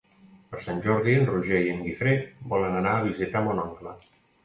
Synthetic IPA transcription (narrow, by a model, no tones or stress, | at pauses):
pəɾsanʲʒɔɾðiənruʒejəŋɡifɾebɔlənənaːβ̞izit̪amɔnɔŋklə